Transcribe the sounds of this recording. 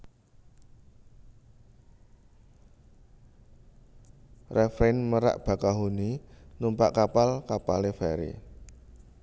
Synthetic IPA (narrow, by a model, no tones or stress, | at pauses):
rɛfɾenməɾa̰ʔb̥a̤kaɦuninumpaʔkapalkapalefɛɾḭ